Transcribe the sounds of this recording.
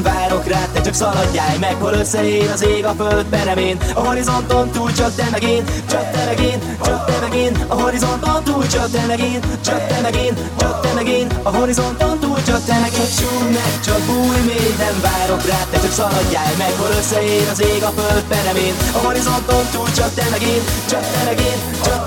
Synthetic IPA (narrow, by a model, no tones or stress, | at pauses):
ɱvaːɾo̞kraːt̪ːɛt͡ʃ̪yksɒlɒɟːaːjmɛkho̞lø̞sːɛjeːɾɒzeːɡɒføld̪̚pɛɾɛmeːnɒɦo̞ɾizo̞nt̪ont̪uːlt͡ʃɒk̚t̪ːɛmɛɡeːnt͡ʃɒk̚t̪ːɛmɛɡeːn | t͡ʃɒk̚t̪ːɛmɛɡeːnɒɦo̞ɾizo̞nt̪ont̪uːlt͡ʃɒkt̪ːɛmɛɡeːnt͡ʃɒk̚t̪ːɛmɛɡeːn | t͡ʃɒk̚t̪ːɛmɛɡeːnɒɦo̞ɾizo̞nt̪ont̪uːlt͡ʃɒk̪ːɛmɛɡet͡ʃuːlnɛkt͡ʃɒkuːjmeːnɛɱvaːɾo̞kraːt̪ːɛøksɒlɒdːaːkmɛkhoɾøsːɛjeːɾɒzeːɡɒføld̪̚pɛɾɛmeːnɒɦo̞ɾizo̞nt̪o̞nt̪uːlt͡ʃɒt̪ːɛmɛɡeːnt͡ʃɒtt̪ːɛmɛɡeːn | t͡ʃɒ